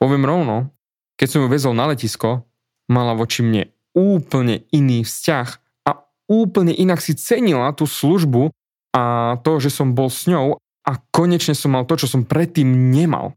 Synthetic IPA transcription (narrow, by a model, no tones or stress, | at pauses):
pɔʋɪɛmɾɔʊnɔ | kɛcsɔmjuʋɛzɔlnalɛciskɔ | malaʋɔt͡ʃimɲɛ̰ | uːpl̩ɲɛiniːfscax | a | uːpl̩ɲɛʔinaksit͡sɛɲilat̪uːsluʒbu | ʔat̪ɔʒɛsɔmbɔlsɲɔʊ | ʔakɔɲɛt͡ʃɲɛsɔmːalˠt̪ɔt͡ʃɔsɔmpɾɛt̪ːiːmɲɛma̰l